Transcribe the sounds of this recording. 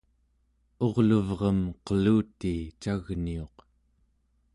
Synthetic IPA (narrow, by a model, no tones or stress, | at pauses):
o̞ʁluvʁʌmqəluːt̪ːit͡ʃaɣnio̞q